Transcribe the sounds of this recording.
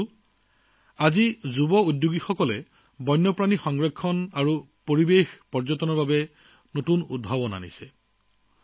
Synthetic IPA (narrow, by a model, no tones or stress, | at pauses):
azizubɔudjuɡixɔkɔlɛ | bɔjnːɔpɹanixɔŋɡɹekʰːɔnaɹu | poɹibexpɔɹzɔtɔnɔɹbabɛ | notunṵd̚bʱabɔna̰nḭsɛ